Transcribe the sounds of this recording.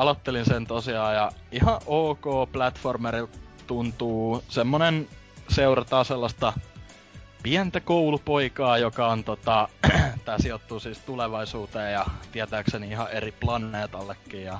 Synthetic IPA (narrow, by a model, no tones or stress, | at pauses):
ɑlot̪ːelinsent̪osiɑːjɑihɑʔʔoːkoːplæt̪formeril | t̪unt̪uːsemːonen | seurɑt̪ɑːselːɑst̪ɑ | piænt̪ækoulupoikɑːjokɑont̪ot̪ɑt̪æːsiot̪ːuːsiːst̪uleʋɑisuːt̪eːjɑt̪iæt̪æːkseniihɑʔeriplɑneːt̪ɑlːekːiːjɑ